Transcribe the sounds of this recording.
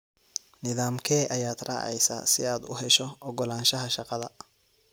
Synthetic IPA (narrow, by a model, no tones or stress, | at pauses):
nɪðaːmkʰɛːʔɐjaːd̪rɑ̰ːʕɛ̰jsa̰sɪaːd̪ʊ̰ɦɛʃɔʔɔɡɔlaːnʃɐɦɐʃɑqɑðɐ